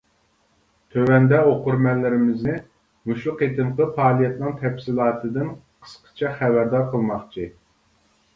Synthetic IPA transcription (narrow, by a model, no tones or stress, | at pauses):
t̪ʰøwɛnd̪ɛoqʊɾmɛlːɪɾɪmɪznɪ | muʃlˠʊqet̪ɨmqəpʰɑːlˠijɛt̪nɨŋt̪ʰɛpʲsilˠɑːt̪ʰɨd̪ɨnqʰə̥sqʰə̥t͡ʃʰɛχæbæɾd̪ɑɾqʰəlˠmɑχt͡ʃʰi